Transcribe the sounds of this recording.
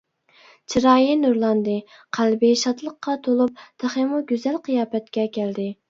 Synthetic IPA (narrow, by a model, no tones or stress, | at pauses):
t͡ʃʰiɾɑːjinuɾlˠɑnd̪ɨ | qʰælbɪʃɑt̪lˠəqːɑt̪ʰolˠup̚t̪ʰæχemuɡʲyzælqʰɨjɑːpɛt̪̚kʲɛkʲʰæld̪ɪ